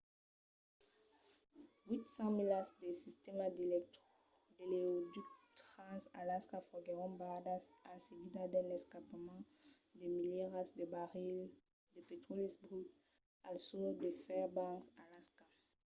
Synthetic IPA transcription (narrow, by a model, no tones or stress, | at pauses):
wit̪sɑ̃milasd̪esist̪emad̪elɛk̚t̪χo | d̪eleod̪ykt̪χɑ̃salaskafɔɡeʁɔ̃bad̪asaseɡid̪ad̪ɛ̃nɛskapmɑ̃ | d̪emiljɛʁasd̪əbaʁil | d̪əpet̪χɔlisbʁy | alsud̪əfɛʁbãksalaska